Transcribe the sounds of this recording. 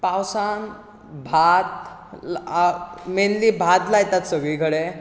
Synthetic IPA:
pawsan | bʱat̪̚ | menliːbʱat̪lajt̪at̪səɡɭiːkʰəɽe

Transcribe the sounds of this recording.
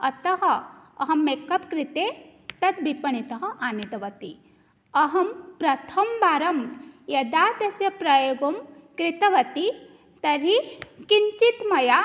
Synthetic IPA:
ɐt̪ɐɦɐːɦɐmːekɐpkɾit̪eːt̪ɐt̪̚bipɐɳit̪ɐɦɐ̆ʔaːnit̪ɐʋɐt̪ḭ | ɐɦɐmpɾɐt̪ʰɐmbaːɾɐmjɐd̪aːd̪ɐsjɐpɾɐjoːɡɐmkɾit̪ɐʋɐt̪i | t̪ɐɾikiɲt͡ʃit̪mɐja

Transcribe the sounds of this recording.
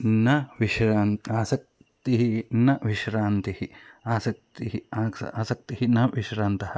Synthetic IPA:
nɐʋiʃɾaːnaːsɐk̚ | t̪iɦinɐʋiʃɾaːnt̪ihiaːsɐk̚t̪iɦiaːsɐ̰aːsɐk̚t̪iɦinɐʋiʃɾaːnt̪ɐhɐ

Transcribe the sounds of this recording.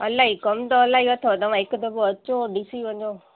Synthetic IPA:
əlaiːkəmt̪oəlaːiət̪ʰot̪əʋãɪkd̪əboət͡ʃoɖiːsiːʋə̃ɲd͡ʒo

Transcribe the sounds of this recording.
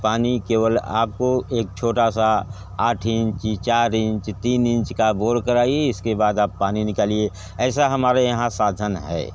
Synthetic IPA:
paːnikeːwəla̰ːp̚koeːk̚t͡ʃʰoːʈasa | aːʈʰɪ̃ɲt͡ʃt͡ʃaːɾɪ̃ɲt͡ʃt̪iːnɪ̃nt͡ʃkaboːɾkəɾaːieɪskebaːd̪aːpːaːninɪkaːlie | ɛːsaɦɐmaːɾejɐɦãsaːd̪ʱənɦɛ̰ː

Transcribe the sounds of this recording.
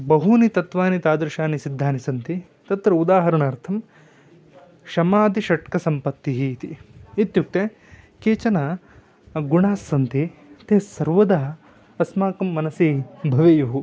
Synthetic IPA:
bɐɦunit̪ɐt̪ʋaːnit̪aːd̪ɐɾʃaːnisid̪ʱːaːnisɐnt̪i | t̪ɐt̪ɾɐud̪aːɦɐɾɐɳɐːɾt̪ʰɐm | ʃɐmaːd̪iʃɐʈkɐsɐmpɐt̪ːiɦiːt̪iit̪juk̚ʈ̪e | keːt͡ʃɐnɐ | ɡuɳaːsːɐnt̪it̪eːsɐɾʋɐd̪aː | ɐsmaːkɐmːɐnɐsibʱɐʋejɐɦu

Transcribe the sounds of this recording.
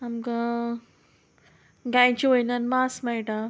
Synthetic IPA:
amkã | ɡajt͡ɕiojnanmasmajʈa

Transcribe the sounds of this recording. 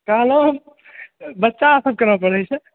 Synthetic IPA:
kəɦlo | bətːʃasəb̚kəɾəpəɽəjt͡ʃʰɛ

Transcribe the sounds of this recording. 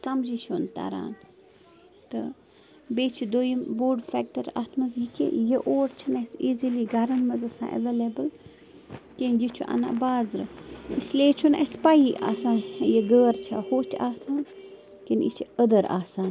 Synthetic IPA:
sɐmd͡ʒit͡ʃʰont̪a̰ɾa̰ːn | t̪ɨ | beːt͡ʃʰid̪oːjimboːɖfɛːk̚ʈɐɾa̰t̪ʰmɐzikḛjeʔoːɾt͡ʃʰɐnesiːziliɡɐɾɐnmɐzɐsã̰ːʔḛʋeːlebəl | kenjit͡ʃʰuʔɐ̰na̰baːzɾɨ̰isleːt͡ʃʰunḛspaːjiʔa̰ːsaːnjeɡəːɾt͡ʃʰa̰hoːt͡ʃʰaːsaːn | kenit͡ʃʰiəd̪əɾa̰ːsaːn

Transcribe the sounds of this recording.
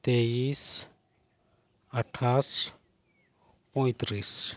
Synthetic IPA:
t̪eːis | ɐʈʰas | pɔ̃jt̪ɾis

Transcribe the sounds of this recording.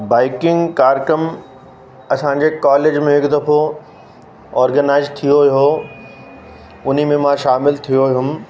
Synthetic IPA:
baːɪkɪ̃ŋɡkaːɾkəm | ɐsãɲd͡ʑekaːleːd͡ʑmẽɦɪkd̪ɐfo | ɔːɾɡənaːɪzt̪ʰijojo | ʊn̤imẽmãʃaːmɪlt̪ʰijoɦʊm

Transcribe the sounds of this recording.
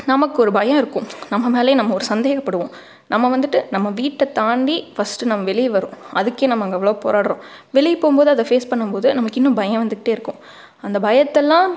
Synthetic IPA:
nɐmɐkːɯɔɾɯbɐjɐ̃ɪɾɯkːʊ̃nɐmːɐmeːlɐjɐ̃nɐmːɐɔɾɯsɐnd̪eːɣɐpːɐɽɯʋõː | nɐmːɐʋɐnd̪ɯʈːɯnɐmːɐʋiːʈːɐt̪aːɳɖifɐsʈɯnɐmːɐʋɛɭɪʋɐɾʊ̃ʔɐðɯkːeːnɐmːɐŋɡɐɛʋɐɭoːpo̰ːɾaːɽɾõː | ʋɛɭɪpoːmpoːðɯɐðɐfeːspɐɳːɯmpoːðɯnɐmɐkːɪnːʊ̃bɐjɐ̃ʋɐnd̪ɯkːʈːeːɪɾɯkːʊ̃ | ɐnd̪ɐbɐjɐt̪ːɛlːãː

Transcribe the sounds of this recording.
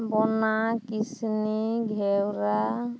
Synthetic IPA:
bɔnakisniɡʱɛwɾa

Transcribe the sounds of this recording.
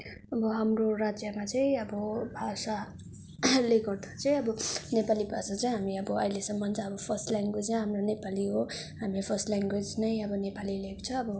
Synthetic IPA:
ʌbʌɦamroɾad͡zjʌmat͡sʌĩʌbʌbʱasa | leɡʌrd̪ʰat͡sʌĩʌbʌnepalibʱasat͡saj̃ɦamiʌbʌʌilesʌmːʌnt͡saʌbʌpʰʌrsʈlaŋɡwed͡zaĩɦamronepaliɦo | ɦamlepʰʌrsʈlaŋɡwed͡znʌjʌbʌnepalileko̥t͡sʰʌːbʌ

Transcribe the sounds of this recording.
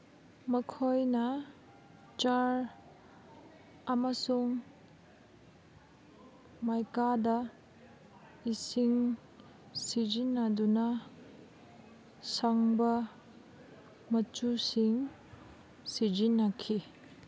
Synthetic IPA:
mɐkʰojnɐ | t͡ʃaɾ | ɐmɐsuŋ | majkadɐ | isiŋ | sizinːɐdunɐ | saŋbɐ | mɐt͡ʃusiŋ | sizinːɐkʰi

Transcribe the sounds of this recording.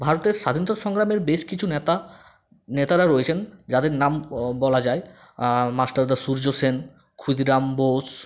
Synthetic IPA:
bʱaɾot̪eɾʃad̪ʱinot̪aʃɔŋɡɾameɾbeʃkit͡ɕʰunet̪a | net̪aɾaɾoet͡ɕʰend͡ʑad̪eɾnambɔlad͡ʑae | masʈaɾd̪asuɾd͡ʑosen | kʰud̪iɾambos

